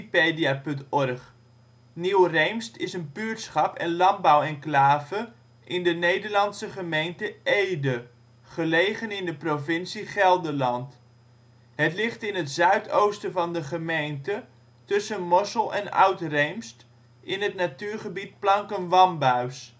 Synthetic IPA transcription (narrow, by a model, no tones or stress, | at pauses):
peːdiapɵntɔrχ | niwrejmstɪsənbyːtsχɑpɛnlɑmbawɛnklaːvə | ʔɪndənejdəɹlɑnsəχəmejntəejdə | χəlejχənɪndəprovɪnsiχɛlˠdəlɑnt | hətlɪχtɪnətz̥œɥtʰowstəvɑndəχəmejntə | tɵsənmɔsəlˠɛ̰na̰ɥtrejmst | ɪnɦətnatyːɹχəbit̚plɑŋkənʋɑmbœɥs